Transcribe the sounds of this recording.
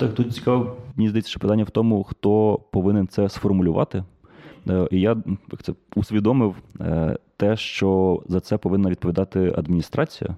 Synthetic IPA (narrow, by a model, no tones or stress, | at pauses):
t̪ɑkt̪ut̪̚t͡sʲi̥kɑmnʲizd̪ɐit͡sʲːɐ̥ʃt͡ʃɛpɪt̪anʲːɐwt̪ɔmʊxt̪ɔpɔʋɪnɪnt̪sɛsfɔrmʊlʲʊʋɑ̰t̪ɪ | ʔijaja̰kt̪ɛusʲʋʲid̪ɔmɪw | t̪ɛʃt͡ʃɔzɐt̪sɛpɔʋɪnːɐʋʲid̪pɔʋʲid̪ɑt̪ɪɐ̰d̪mʲinʲist̪ɾɑt͡sʲijɐ̰